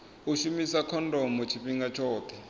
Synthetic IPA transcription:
uʃumisakʰɔndɔmɔt͡ʃʰiɸiŋɡat͡ʃʰɔːt̪ʰɛ

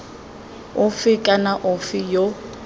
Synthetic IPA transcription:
ʊfɪkʼanaʔʊfɪjo

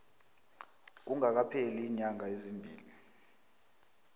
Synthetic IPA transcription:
k̬uŋak̬apʰeliːɲaŋaezimbʱḭːli

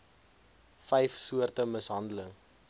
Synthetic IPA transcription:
fɛjfsuərtəməsɦɐndələŋ

